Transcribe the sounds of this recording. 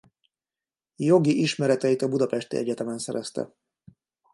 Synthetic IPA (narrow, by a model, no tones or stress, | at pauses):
jo̞ɡiʔiʃmɛɾɛt̪ɛjit̪ɒbud̪ɒpɛʃt̪ḭɛ̰ɟɛt̪ɛmɛnsɛɾɛst̪ɛ̰